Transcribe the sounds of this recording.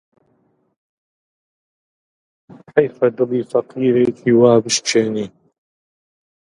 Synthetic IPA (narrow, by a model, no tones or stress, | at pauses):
ħajfɐd̪ɨliːfɐqiːɾeːkʰiːwaːbɨʃt͡ʃʰeːniː